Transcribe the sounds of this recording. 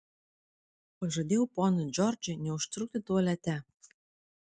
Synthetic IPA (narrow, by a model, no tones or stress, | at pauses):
pɐʒɐd̪ʲewpɔnɨd͡ʒɔrd͡ʒenʲɛʊʃt̪ɾuk̚t̪ʲet̪uɐlʲæt̪ʲæ